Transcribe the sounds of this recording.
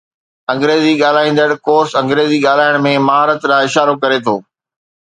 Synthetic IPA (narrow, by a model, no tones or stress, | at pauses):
ɐ̃ŋɡɾeːziɠaːl̤aːĩːnd̪əɽkoːɾsɐ̃ŋɡɾeːziɠaːl̤aːɪɽ̃mẽmɐɦaːɾət̪ɾãɪʃaːɾokɐɾet̪ʰoː